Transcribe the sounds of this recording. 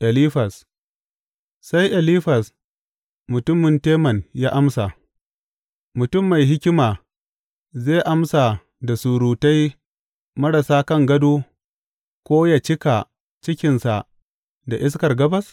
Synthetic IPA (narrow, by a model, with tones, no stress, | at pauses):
ʔɛ˨liː˦ɸɐ˨s | sa˦jʔɛ˨liː˦ɸɐ˨s | mʊ˨tʊ˦mːɪ˨nteː˦mɐ˨njaː˦ʔa˦msa˨ | mʊ˨tʊ˦˨mːa˨jɦɪ˦kʲɪ˦maː˨ | zeː˦˨ʔa˦msa˨ | da˨su˨ɽuː˨ta˦j | mɐ˦ɽɐ˨saː˦kɐ˦˨ŋɡɐ˦duː˦ | kʷoː˦ja˨t͡ʃɪ˦ka˨ | t͡ʃɪ˦kʲɪ˨nsa˨ʔ | da˨ʔɪ˦s̬kɐ˨rɡɐ˦bɐ˦s